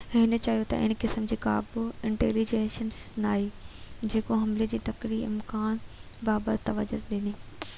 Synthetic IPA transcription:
ɦɪnə̆t͡ɕaːjot̪ɐ̰ʔɪ̰nkɪsəmd͡ʑiːka̰ːbuɪ̃ɳʈḛːlid͡ʑeːʃənsnaːɦid͡ʑeːkoɦɐmled͡ʑiːt̪ɐkɾiɪ̰mkaːn | baːbət̪ɐʋəd͡ʑʊzɗɪniː

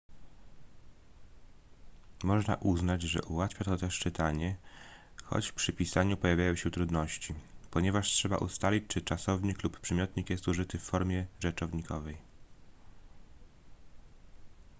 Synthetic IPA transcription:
mɔʐna̰ʔuznad͡ʑʐɛ̰ʔuwat̪fʲjat̪ɔt̪ɛʂt͡ʂɘt̪aɲɛ | xɔ̰t͡ɕfpʂɘpʲisaɲupɔjavʲjajɔ̃w̃ɕɛt̪ɾud̪nɔɕt͡ɕipɔɲɛvaʂtʂɛba̰ʔṵst̪alʲit͡ɕt͡ʂɘt͡ʂasɔvɲikluppʂɛmʲjɔt̪ɲikjɛst̪uʐɘt̪ɘfːɔɾmʲjɛʐɛt͡ʂɔvɲikʰɔvɛj

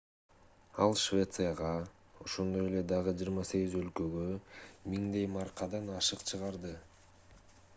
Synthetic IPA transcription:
ɑlˠʃvʲe̞t̪sɨjaʁɑ | o̞ʃo̞nd̪o̞je̞le̞d̪ɑʁɯd͡ʒɯjɾmɑse̞ɡʲizø̞lkø̞ɡømiŋd̪e̞jmɑɾqɑd̪ɑnɑʃɯqt͡ʃʰɯʁɑɾd̪ɯ

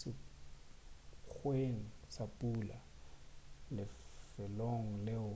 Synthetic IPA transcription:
sɪ | k͡xʰweŋ̩sapʼula | lɪfɛloŋ̩lɪʊ

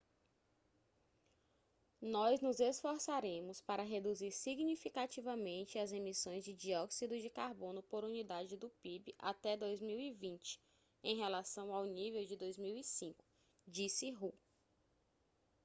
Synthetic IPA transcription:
nɔznʊzesfoɾsaɾẽmʊspaɾɐɦed̪uziɾsiɡnifikat͡ʃivɐmẽnt͡ʃɪazemisõj̃zd͡ʒɪd͡ʒiɔksid̪ʊd͡ʒɪkaɾbõnʊpoɾunid̪ad͡ʒɪd̪ʊpibɪʔa̰t̪ɛd̪ojzmiwivĩt͡ʃɪ̥ | ẽj̃ɦelasɐ̃w̃awnivewd͡ʒɪd̪ojzmiwisĩkʊ̥ | d͡ʒisɪɦu

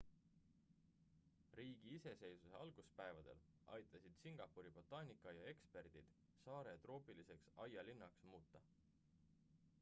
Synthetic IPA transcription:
riːɡ̥iise̞se̞jsuse̞ɑlɡ̥uspæevɑd̪̥e̞̰l | ɑ̰jt̪ˑːɑsid̪̥siŋɡ̥ɑpːuɾib̥o̞t̪ːˑɑːnʲikˑːɑjɑe̞kspe̞rd̪̥id̪̥ | sɑːɾe̞t̪ro̞ːpilise̞ksɑjɑlinːɑksmuːt̪ːˑɑ

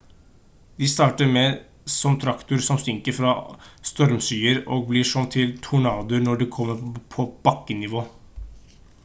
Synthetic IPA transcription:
d̪ɪst̪ɑːʈəɾmeː | sɔmt̪ʰɾɑkt̪ʊɾsɔmst̪ɪŋkəɾfɾɑːst̪ɔɾmsyːəɾoːɡ̚blɪʂɔnt̪ʰɪlt̪ʰʊɳɑːd̪əɾnɔɖikʰɔmːəɾpʰɔb̥ɑkːənɪʋoː

